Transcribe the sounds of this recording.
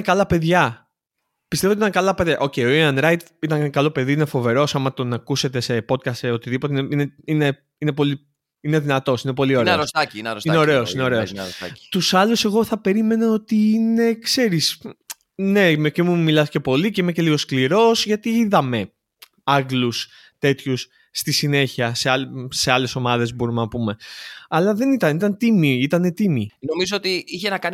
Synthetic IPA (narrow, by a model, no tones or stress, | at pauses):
nkɐlɐpe̞ðʝɐ | pist̪e̞ot̪it̪ŋkɐlɐpeðjɐʔo̞ceio̞iɐnɾɐjt̪ | it̪ɐŋkɐlo̞pe̞ðiine̞fo̞ve̞ɾo̞sɐmɐt̪o̞nɐkuse̞t̪e̞se̞po̞t̪̚kɐst̪eot̪iðipo̞t̪eineineine̞ | ine̞po̞li | ine̞ðinɐt̪o̞sinep̬o̞lio̞ɾeeɾost̪ɐcinɐɾsineo̞ɾe̞osineo̞ɾe̞osɾosɐ̰̥t̪usɐluse̞ɣo̞θɐpe̞ɾime̞nɐo̞t̪iine̞kse̞ɾis | ne̞mecemumilɐsce̞po̞lice̞imece̞liɣo̞skliɾo̞sʝɐt̪iiðɐme̞ | ɐɣlus | t̪e̞t̪çus | st̪isine̞çiɐseɐlse̞ɐle̞so̞mɐðe̞zbo̞ɾumenɐpume̞ɐlɐðe̞nit̪ɐnit̪ɐnt̪imiit̪ɐne̞t̪imino̞mizoot̪iiçenɐkɐni